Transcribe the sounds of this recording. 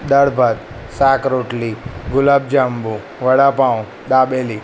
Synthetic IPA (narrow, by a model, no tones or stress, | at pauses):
ɗ̪ɐɽbʱɐt̪̚ | saːkɾoːʈliɡʊlaːb̚d͡ʒaːmbu | ʋɐɽapãːũ | ɗ̪aːɓeːli